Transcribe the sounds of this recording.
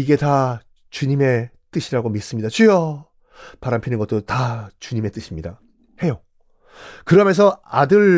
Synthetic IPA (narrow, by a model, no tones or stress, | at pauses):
iɡe̞ta | t͡ɕuɲime̞ | t͈ɯɕʰiɾaɡomis͈ɯmɲidat͡ɕujʌ | paɾampʰinɯnɡʌt͈otat͡ɕuɲime̞t͈ɯɕʰimɲida | he̞jo | kɯɾʌmjʌnsʰʌadɯɾ